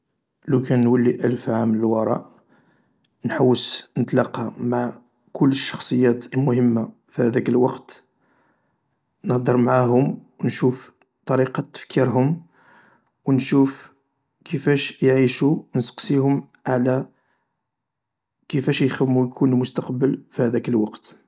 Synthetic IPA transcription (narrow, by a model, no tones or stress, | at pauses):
lukænːwælːiʔælfʕamləlwɑɾˤɑ̰ʔ | nħawːəsnət̪lɑqːɑmaʕ | kʰʊlːəʃːɑ̥xsˤəjːæt̪əlmʊhəmːa | fihæd̪ækəlwɑqt̪ | nəhd̪əɾˤmʕaɦʊmwnʃuf | t̪ˤɑɾiqɑt̪ːə̥fkʰiɾɦʊm | wnʃuf | kʰəfæʃjʕiʃuwnsqsihʊm | ʕalæ | kəfæʃjxəmːujkʰunlmʊst̪ɑqbəlfihæd̪ækəlwɑqt̪